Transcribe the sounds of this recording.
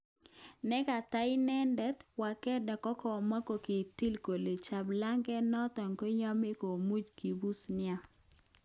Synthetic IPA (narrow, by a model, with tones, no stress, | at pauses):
nɛ˦ka˨ta˦ɪ˦nɛ˦ndɛ˦t̪wa˨kɛ˦da˨kɔ˦kɔ˨ma˦ko˨kɪ˨ti˦lko˨le˨t͡ʃa˨bla˦ŋɡɛ˦nɔ˦tɔ˨ŋko˦ɲa˦me˦ko˨mu˦d͡ʒki˨bu˦snɪa˦